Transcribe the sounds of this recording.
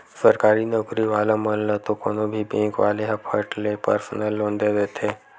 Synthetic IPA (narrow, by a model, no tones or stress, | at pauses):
səɾkaːɾinɔkɾiʋaːlaməllət̪okoːnobʱibẽːŋkʋa̰ːleɦɐpʰəʈlepə̰ɾsənəlːõːnd̪ed̪eːt̪ʰe